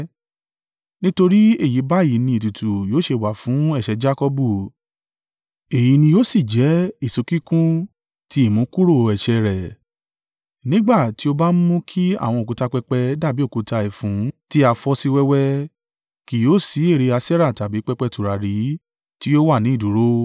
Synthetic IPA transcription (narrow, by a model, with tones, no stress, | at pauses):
nĩ˦to˧ɾi˦e˦˨ji˨˦ba˦e˨i˨˦nĩ˧i˨tu˨tu˨jo˨˦ʃe˧˨wa˨fũ˨˦ɛ˦˨ʃɛ˧d͡ʒa˦kɔ˧bu˦˨ | e˨ji˨˧nĩ˧jo˦si˦˨d͡ʒɛ˨˦i˦˨so˨˧ki˦kũ˦ | ti˧˦i˦˨mũ˨˦ku˦ɾo˦˨˧ɛ˨ʃɛ˧ɾɛ˨ | nĩ˦ɡ͡ba˦˨ti˦o˧ba˦m̩˦mũ˦kʰi˦a̰˦˨w̃ɔ̃˧o˨ku˨˧ta˧k͡pɛ˧k͡pɛ˧da˦˨bi˨˦o˦˨ku˨˧ta˧i˨fũ˨˦ti˦a˧fɔ˧si˧wɛ˦wɛ˦ | ki˨jo˨˦si˨˦e˦˨ɾe˧a˧sɛ˦ɾa˦˨ta˨bi˨˦k͡pɛ˧k͡pɛ˧tu˨ɾa˨ɾi˨˦ | ti˦jo˦wa˦˨nĩ˨˦i˦˨du˨˦ɾo˦